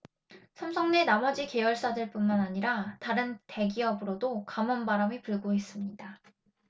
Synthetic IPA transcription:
sʰamsʰʌŋne̞namʌd͡ʑike̞jʌɭs͈adɯɭp͈unmanaɲiɾataɾɯnte̞ɡiʌbɯɾodokamʌnbaɾamipɯɭɡois͈ɯmɲida

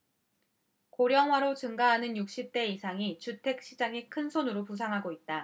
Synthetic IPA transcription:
koɾjʌŋɦwaɾot͡ɕɯŋɡaɦanɯnjuk̚ɕ͈ip̚t͈e̞isʰaŋit͡ɕutʰe̞k̚ɕ͈id͡ʑaŋekʰɯnsʰonɯɾopus̬ʰaŋɦaɡoit̚t͈a

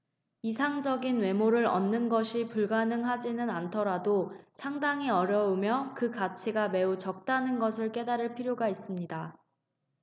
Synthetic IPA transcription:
isʰaŋd͡ʑʌɡinwe̞moɾɯɾʌ̰nːɯnɡʌɕʰipuɭɡanɯŋɦad͡ʑinɯnantʰʌɾadosʰaŋdaŋiʌɾjʌumjʌkɯkat͡ɕʰiɡame̞ut͡ɕʌk̚t͈anɯnɡʌsʰɯɭk͈e̞daɾɯɭpʰiɾjoɡais͈ɯmɲida

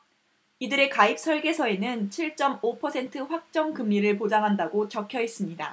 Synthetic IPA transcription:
idɯɾe̞kaip̚s͈ʰʌɭɡe̞sʰʌe̞nɯnt͡ɕʰiɭt͡ɕ͈ʌmopʰʌsʰe̞ntʰɯɸwak̚t͡ɕ͈ʌŋkɯmɲiɾɯɭp̬od͡ʑaŋɦandaɡot͡ɕʌkʰjʌɦes͈ɯmɲida̰

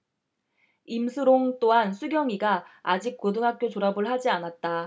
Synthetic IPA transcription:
imsʰɯɾoŋt͈oɦansʰuɡjʌŋiɡaad͡ʑik̚k͈odɯŋɦak͈jot͡ɕoɾabɯɭhad͡ʑianat̚t͈a

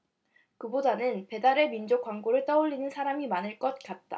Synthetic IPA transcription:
kɯbodanɯnpe̞daɾe̞mind͡ʑok͈waŋɡoɾɯɭt͈ʌuʎːinɯnsʰaɾamimanɯɭk͈ʌt̚k͈at̚t͈a̰

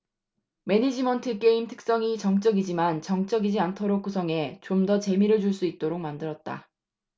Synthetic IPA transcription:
me̞ɲid͡ʑimʌntʰɯk͈e̞imtʰɯ̥k̚s͈ʌŋit͡ɕʌŋt͡ɕ͈ʌɡid͡ʑimant͡ɕʌŋt͡ɕ͈ʌɡid͡ʑiantʰʌɾok̚k͈usʰʌŋe̞t͡ɕomdʌt͡ɕe̞miɾɯɭd͡ʑuɭs͈uit̚t͈oɾok̚mandɯɾʌt̚t͈a̰

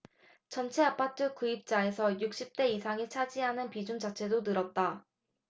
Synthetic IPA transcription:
t͡ɕʌnt͡ɕʰe̞ap͈ʰatʰɯkɯip̚t͡ɕ͈ae̞sʰʌjuk̚ɕ͈ip̚t͈e̞isʰaŋit͡ɕʰad͡ʑiɦanɯnpid͡ʑund͡ʑat͡ɕʰe̞donɯɾʌt̚t͈a

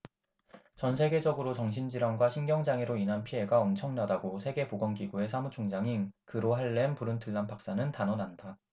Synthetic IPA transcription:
t͡ɕʌnsʰe̞ɡe̞d͡ʑʌɡɯɾot͡ɕʌŋɕʰind͡ʑiɾwaŋɡwaɕʰinɡjʌŋd͡ʑaŋeɾoinɦanpʰie̞ɡaʌmt͡ɕʰʌŋnadaɡosʰe̞ɡe̞poɡʌŋɡiɡue̞sʰamut͡ɕʰoŋd͡ʑaŋinkɯɾoɦaɭːe̞npuɾɯntʰɯɭːanpak̚s͈anɯntanʌnanda

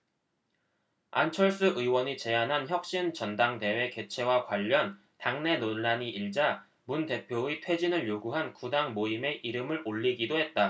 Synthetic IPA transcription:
a̰nt͡ɕʰʌɭs͈ɯʔɯiwʌɲit͡ɕe̞anɦançjʌk̚ɕ͈int͡ɕʌndaŋte̞we̞ke̞t͡ɕʰe̞wakwaʎːʌn | taŋne̞nonːaɲiʔiɭd͡ʑa | munte̞pʰjoitʰwe̞d͡ʑinɯɭjoɡuɦankudaŋmoime̞ʔiɾɯmɯɾʔoʎːiɡidoɦe̞t̚t͈a

